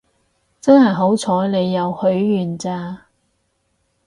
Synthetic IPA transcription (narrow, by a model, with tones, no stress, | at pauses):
t͡sɐ˥nhɐ˨jɦo˨˥wt͡sʰɔː˨˥jne˨˧jːɐ˨˧whɵ˨˥ɥːyː˨˩nt͡saː˧